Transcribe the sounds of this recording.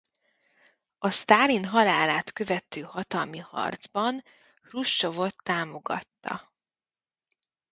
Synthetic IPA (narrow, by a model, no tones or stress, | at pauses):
ɒst̪aːlinɦɒlaːlaːt̪kø̞vɛt̪øːhɒt̪ɒlmihɒ̰rd̪zbɒn | ruʃːo̞vo̞t̪ːaːmo̞ɡɒ̰t̪ːɒ̰